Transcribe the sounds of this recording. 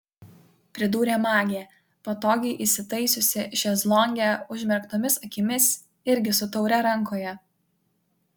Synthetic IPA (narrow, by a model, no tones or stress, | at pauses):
pʲɾʲɪd̪uːɾʲeːmɑːɡʲeː | poːt̪oːɡʲɛɪʔɪsʲɪt̪ɐɪsʲʊsʲɪʒʲɛzlˠɔŋʲɡʲɛʊʒʲmʲɛɾkt̪oːmʲɪsɐkʲɪmʲɪs | ɪɾʲɡʲɪsʊt̪ɒʊɾʲɛɾɐŋˑkoːjɛ